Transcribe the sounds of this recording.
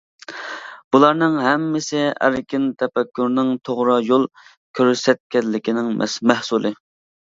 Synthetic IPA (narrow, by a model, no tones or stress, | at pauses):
b̥ulˠɑɾnɨŋɦɛmːɪsɪæ̰ɾkʲɪnt̪ʰɛpɛkʲːyɾnɪŋt̪ʰoʁɾɑjolˠ | kʲʰøɾsɛt̪̚kʲɛnlːɪkʲinɪŋmʔɛ̰smɛhsulˠɨ